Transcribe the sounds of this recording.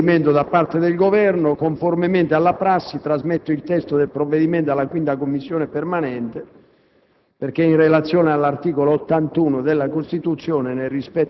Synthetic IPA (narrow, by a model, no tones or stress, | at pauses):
imɛnt̪od̪apːart̪ed̪elɡovɛrnokoɱformemɛnt̪ealːapɾasːit̪ɾazmɛt̪ːoilt̪ɛst̪oðelpɾovːeðimɛnt̪alːakwint̪akomːisːjɔːnepermanɛnt̪e | perkeinrelat̪sːjɔːnealːart̪iːkoloːt̪ːant̪uːnod̪elːakost̪it̪ut̪sːjɔːnenɛrːispɛt̪ː